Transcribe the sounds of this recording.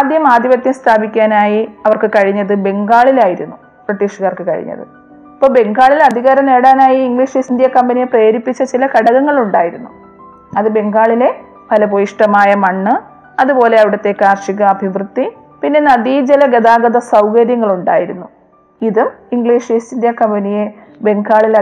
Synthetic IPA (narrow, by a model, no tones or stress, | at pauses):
aːd̪jɐmaːd̪jɐʋɐt̪jɐmst̪ʰaːbʱikʲːaːnaːjiɐʋɐrkɨkɐɻiɲːɐðɨbe̞ŋɡaːɭilaːjiɾṵnːu | b̥riʈːiːʂɣaːrkɨkɐ̰ɻḭɲːɐ̰ðɨ̰ | ipːoːbe̞ŋɡaːɭilɐd̪ʱiɣaːɾɐmne̞ːɽaːnaːjiːŋɡɭiːʂisind̪jɐkɐmbɐnijepreːɾipːit͡ɕːɐt͡ɕilɐkɐɽɐɣɐŋːɐɭuɳɖaːjiɾunːu | ɐðɨbe̞ŋɡaːɭile̞ | pɐlɐpojiʂʈɐmaːjɐmɐɳːɨ | ɐðupo̞ːle̞ɐʋiɽɐt̪ːe̞ːkːaːrʂiɣɐːbʱiʋrɨt̪ːi | pinːe̞nɐdiːd͡ʑelɐɡed̪aːɡɐd̪ɐsɐwkɐɾjɐŋːɐɭuɳɖa̰ːjiɾunːu | iðumiŋɡɭiːʂisind̪jɐkɐmbɐnije̞ | be̞ŋɡaːɭil